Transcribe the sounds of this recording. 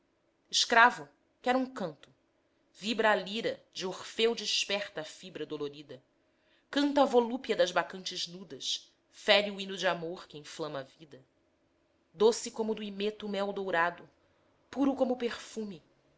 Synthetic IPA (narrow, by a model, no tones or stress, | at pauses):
ɪʃkɾavʊ | kɛɾũŋkɐ̃nt̪ʊ̥ | vibɾɐaːliɾɐd͡ʒɪoχfewd͡ʒɪʃpɛχt̪ɐːfibɾɐd̪oloɾid̪ɐ | kɐ̃nt̪ɐaːvolupjɐd̪ɐzbakɐ̃nt͡ʃɪznud̪ɐʃ | fɛɾjuinʊd͡ʒɪamoɾkɪẽflɐ̃mɐːvid̪ɐ | d̪osɪkõmʊd̪ʊimet̪ʊmɛwd̪owɾad̪ʊ | puɾʊkõmʊpeχfũmi